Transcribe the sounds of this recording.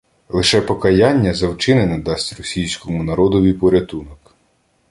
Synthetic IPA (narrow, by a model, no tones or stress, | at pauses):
lˠɪʃɛpɔkɐjanʲːɐzɐwt͡ʃɪnɪnɐd̪ɑsʲtʲrɔsʲijsʲkɔmʊnɐɾɔd̪ɔʋʲijpɔɾʲɐt̪unɔk